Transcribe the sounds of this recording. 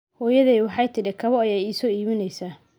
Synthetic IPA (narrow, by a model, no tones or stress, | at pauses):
hɔːjɐðɛwɑħɑjt̪ʰɪɾɪkʰɐβɔɐjɛjiːsɔːiːmɪnɛjsaː